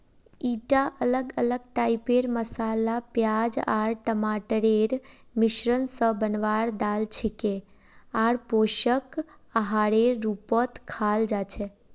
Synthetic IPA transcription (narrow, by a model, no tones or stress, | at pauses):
iʈaʔələɡələɡ̚ʈaipeɾməsalapjad͡ʒa̰ɭʈəmaʈəɾeɾ | mɪʃɾənsəbənʋaɾd̪alt͡ʃʰike | aɽpoʃək | əɦaɽeɾːupət̪kʰald͡ʒat͡ʃʰe